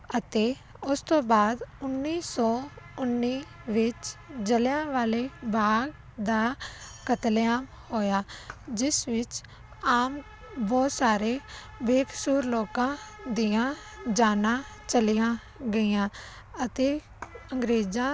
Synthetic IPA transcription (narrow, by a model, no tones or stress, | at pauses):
ət̪eː | ʊst̪õːbaːd̪ʊnːiːsɔːʊnːiːʋɪt͡ʃd͡ʒəljãːʋaːleːbaːɡ | d̪aːkət̪ljaːm | hoːjaːd͡ʒɪsʋɪt͡ʃ | aːm | bɔːt̪saːɾeː | beːkʰsuːɾloːkãːd̪iãː | d͡ʒaːnãː | t͡ʃəlɪjãː | ɡəiːãː | ət̪eː | ə̃ŋɡɾeːd͡ʒãː